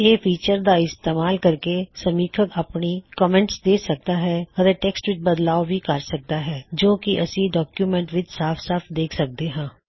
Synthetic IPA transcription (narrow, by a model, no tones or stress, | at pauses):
eːpʰiːt͡ʃəɾd̪aɪst̪eːmaːlkəɾkesəmiːkʰəkəpnikɔːmɛ̃ːɳʈsd̪eːsək̚d̪aːɦɛɔɾeʈeːksʈʋɪt͡ʃbəd̪laːobʱikəɾsək̚d̪aːɦɛːd͡ʒoːkiʔəsĩɖɔːkjuːmɛ̃ɳʈʋɪt͡ʃsaːpʰsaːpʰd̪eːkʰsək̚d̪eːɦãː